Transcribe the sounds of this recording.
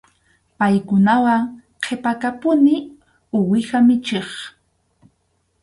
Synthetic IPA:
pajkʊnawaŋ | qʰepakapʊnɪ | ʊwɪxamɪt͡ʃeχ

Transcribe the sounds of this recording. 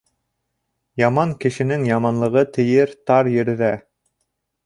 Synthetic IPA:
jɑmɑŋkɘ̆ʃɘ̆nɘŋjɑmɑnlˠɤ̆ʁɤt̪ʰɘ̆jɘɾt̪ɑɾjɘ̆ɾðæ

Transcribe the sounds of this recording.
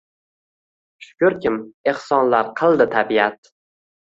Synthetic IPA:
ʃʊ̥kʲʊɾkʲɪme̞hsɒnlaɾqʰɨlˠd̪ɪt̪ʰabiat̪̚

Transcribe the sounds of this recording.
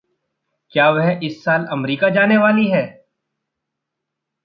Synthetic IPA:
kjaːʋɛɦɪsːaːlɐmɾiːkad͡ʒaːneʋaːliɦɛː

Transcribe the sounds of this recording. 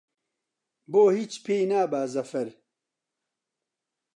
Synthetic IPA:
boːhiːt͡ʃpʰeːnaːbaːzɐfɐɾ

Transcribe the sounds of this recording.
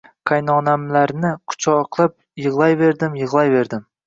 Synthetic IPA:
kʰajnɒnamlaɾnɪkʰʊ̥t͡ʃʰɒqʰlˠɪp̚ | jɨʁlˠɑjve̞ɾd̪ɪmjɨʁlˠɑjve̞ɾd̪ɪm

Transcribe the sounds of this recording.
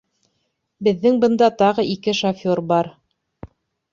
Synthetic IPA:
bɘ̆ðːɘŋbɤ̆nd̪ɑt̪ɑʁɤʔikɘʃofʲoɾbɑɾ

